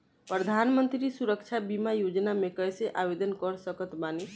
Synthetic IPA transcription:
pɾəd̪ʱanmənt̪ɾisuɾəkt͡ʃʰabimajod͡ʒnamekəjseʔabed̪ənkɔɾsəkət̪bane

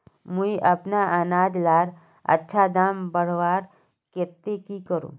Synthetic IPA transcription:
muiʔɐpnaʔənaːd͡ʒlaːɾ | ɐ̰tːʃʰad̪aːmbəɽ̤ʋaːɾ | ket̪ːekikəɾṵ̃ː

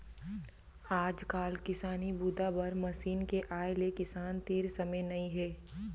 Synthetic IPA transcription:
aːd͡ʒkaːlkɪsaːnibuːd̪abɐɾmɐsiːnkeʔaːelekɪsaːnt̪iːɾsɐməjnɐĩɦɛː

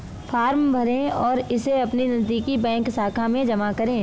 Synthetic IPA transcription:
fʰaːɾmbʱɐɾẽɔːɾɪseɐpninɐd̪ikibɛ̃ːŋksaːkʰamẽd͡ʒɐmakɐɾẽː

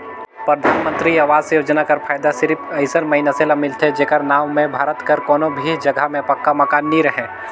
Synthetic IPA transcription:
pɾəd̪ʱaːnmə̃nt̪ɾiaːʋaːzsejoːd͡ʒnakɐɾpʰaːjd̪asɪɾpʰɐɪsəɾmɐɦɪnaselamɪlt̪ʰed͡ʒeːkəɾnaːʋmẽbʱaːɾət̪kɐɾkɔːnõbʱid͡ʒɐɡʱəmẽpɐkːamɐkaːnːiɾɐɦẽː

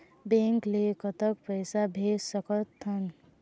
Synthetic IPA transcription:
bẽŋklekət̪əkpəɪsabʱesəkət̪ʰːən

